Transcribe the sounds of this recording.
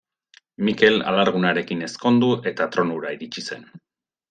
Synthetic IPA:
mike̞la̰laɾɣ̞unaɾe̞kine̞sko̞nd̪ue̞t̪at̪ɾo̞nuɾaiɾit͡ʃise̞n

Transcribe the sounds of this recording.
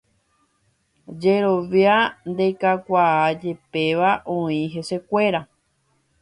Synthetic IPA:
d͡ʒe̞ɾo̞ʋjand̪e̞kakʷaad͡ʒe̞pe̞ʋaʔõĩɦe̞se̞kʷe̞ɾa

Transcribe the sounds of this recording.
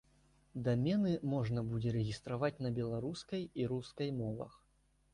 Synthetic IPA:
d̪amʲɛnɨmɔʐnɐbud͡zʲɛɾɛɣʲist̪ɾavat͡sʲn̪ɐbʲɛlˠaɾuskɐjiɾuskɐjmɔvɐ̰x

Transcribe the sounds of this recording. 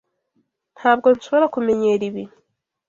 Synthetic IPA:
n̥haːbɡo̞niʃoβoɾakume̞ɲeɾiβi

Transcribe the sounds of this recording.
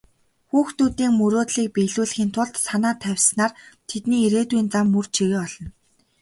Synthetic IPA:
xuːxt̪uːt̪iːŋmɵɾoːt̪ɮiːk̚pijɮuːɮ̆xiːnt̪ʰʊɮt̪sanaːt̪ʰæwʲsnaːrt̪ʰet̪niːeɾeːt̪uiːnt͡samːɵrt͡ɕʰiɣeːɔɮ̥ɞ̆n

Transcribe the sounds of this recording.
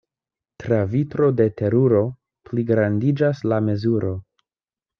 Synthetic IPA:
tɾavitɾo̞de̞te̞ɾuɾo̞ | pliɡɾandid͡ʒaslame̞zuɾʔo̞

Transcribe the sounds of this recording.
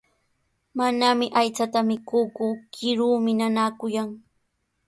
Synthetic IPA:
manamɪʔajt͡sat̪amɪkuːkuːkʰɪɾuːmɪnanaːkʊjaŋ

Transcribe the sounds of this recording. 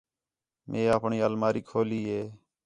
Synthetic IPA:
mʔẽːaːpɳiːəlmaːɾiːkʰoːliːɦeː

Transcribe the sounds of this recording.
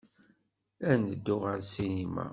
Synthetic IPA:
ænəd̪ːʊʁəɾsinimæ̰

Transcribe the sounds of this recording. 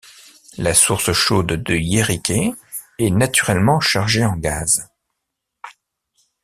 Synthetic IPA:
lasuʁsəʃod̪d̪əjeʁikʲe | ɛnat̪yʁɛlmɑ̃ʃaʁʒeɑ̃ɡaz

